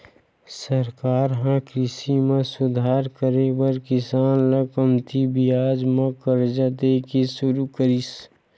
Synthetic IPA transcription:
səɾkaːɾɦãkɾɪsimẽsʊd̪ʱaːɾkəɾebəɾkɪsaːnləkəmt̪ʰibijaːd͡ʒmãkəɾd͡ʒat̪ekisʊɾukəɾis

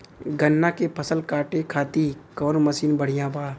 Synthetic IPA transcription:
ɡənːakepʰɐsəlkaːʈekʰaːt̪ikɔːnməsiːnbəɽ̤ijãbaː

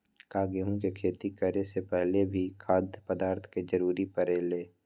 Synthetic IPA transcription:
kaːɡeɦũkekʰeːt̪ikəɾesepɛɦlebʱikʰaːd̪ʱpəd̪aːɾt̪ʰked͡ʒəɾuːɾipəɾeːleː

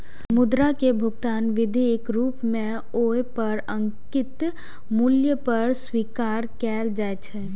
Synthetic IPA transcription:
mʊd̪ɾakebʱʊɡt̪aːnʋɪd̪ʱekɾuːpmẽ | oːepəɾə̃ŋkɪt̪ | muljəpəɾswiːkaːɾkɛːld͡ʒaːet͡ʃʰɛ

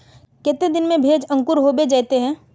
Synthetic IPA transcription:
kɛːt̪ed̪ɪnmẽbʱeːd͡ʒɐ̃ŋkʊɾɦobed͡ʒaːt̪eɦɛ̃ː

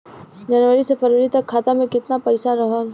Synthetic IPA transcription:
d͡ʒɐnʋəɾisepɐɾʋəɾit̪ɐkʰːaːt̪amẽkɪt̪napɐɪsaɾɐɦəl

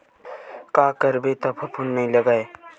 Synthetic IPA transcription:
kaːkəɾbet̪ɐpʰɐpʰunːɐɦĩlɐɡaːe

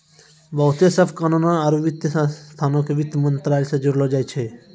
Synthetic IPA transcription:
bəwt̪jasəfkanunaaɾuʋit̪jəsst̪ʰanõkeʋit̪ːmənt̪ɾalsed͡ʒuɾlod͡ʒajt͡ʃʰe

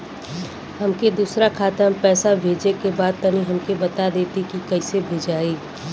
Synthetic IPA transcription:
ɦɐmked̪uːsɾakʰaːt̪əmpɛːsabʱeːd͡ʒekebaːd̪̚kɐnĩɦɐmkebɐt̪ad̪eːt̪ikikɐisebʱeːd͡ʒaːeː

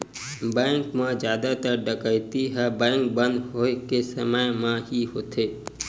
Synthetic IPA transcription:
bɛ̃ːŋkmãd͡ʒjaːd̪at̪əɾɖəkəjt̪iɦabɛ̃ːŋk̚bə̃nd̪ɦoːkesəməjmãɦiɦoːt̪ʰeː

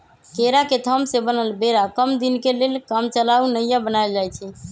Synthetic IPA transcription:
keɾaket̪ʰəmsebənəlbeɾakəmd̪inkelelkamt͡ʃəlaunəijabənaeld͡ʒajt͡ʃʰɛ

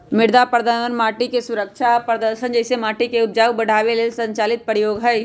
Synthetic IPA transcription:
mɪɽd̪apɾəd̪əənmaːʈikesʊɾəkʃapɾəd̪əɾʃənd͡ʒɛɪsemaːʈikeʊt̪̚d͡ʒaːwbɐɽ̤ʱaːʋeleːlsɐ̃ɲt͡ʃaːlɪt̪̚pɾjoːɡɦɐj

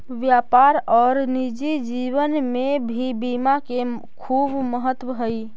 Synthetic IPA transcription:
ʋjapaɾɔɾnid͡ʒid͡ʒiʋənmebʱibimake | kʰubməɦət̪wəɦəj

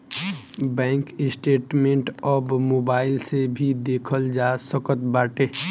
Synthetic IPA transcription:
bɛ̃ːŋkɪsʈeːʈmẽɳʈɔːbmoːbaːɪlsebʱid̪eːkʰəld͡ʒasəkət̪baːʈeː

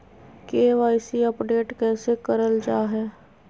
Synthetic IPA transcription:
keːʋaːɪsiəpɖeːʈkɛːsekəɾəld͡ʒaːɦɛː

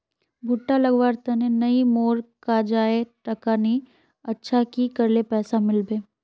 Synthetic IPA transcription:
bʱʊʈːalɐɡʋaːɾt̪ɐnenɐimoːɾkad͡ʒaːet̪ɐkaːni | ɐtːʃʰakikɐɾlepɛːsamɪlbeː

